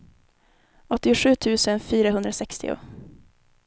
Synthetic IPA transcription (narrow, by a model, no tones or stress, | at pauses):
ɔt̪ːɪʊɧʉ̟ːt̪ʰʉ̟ːsənfyːɾaɦɵnd̪ɾasɛkst̪ɪ̰ʊ̰